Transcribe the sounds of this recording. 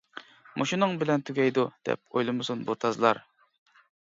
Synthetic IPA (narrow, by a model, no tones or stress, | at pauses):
mʔoʃinɨŋbɪlɛnt̪ʰyɡʲɛjd̪ud̪̥ɛ̰p̚ojlˠɨmɨsunbuɾt̪ʰɑzɨlˠɑɾ